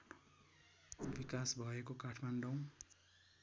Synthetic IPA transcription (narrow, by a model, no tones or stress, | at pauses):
bikasbʱʌekokaʈʰmanɖʌw̃